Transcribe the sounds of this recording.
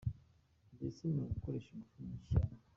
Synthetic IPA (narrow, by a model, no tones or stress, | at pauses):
ndesinoɡukoɾeʃaɡufuniʃa